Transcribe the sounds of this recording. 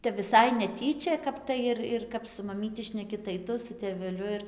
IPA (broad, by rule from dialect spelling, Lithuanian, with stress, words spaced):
ˈtʲɛp ʋʲɪˈsɐɪ nʲɛˈtʲiːt͡ʃʲɛ ˈkɐp tɐɪ ɪr ɪr ˈkɐp sʊ mɐˈmʲiːtʲɪ ʃʲnʲɛˈkʲɪ tɐɪ ˈtʊ sʊ tʲeːʋʲɛˈlʲʊ ɪr